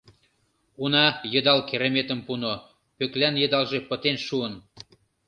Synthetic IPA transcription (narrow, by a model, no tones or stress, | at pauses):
unɑjə̆d̪ɑlkeɾemet̪ə̆mpuno | pøklænjə̆d̪ɑlʒepə̆t̪enʃuən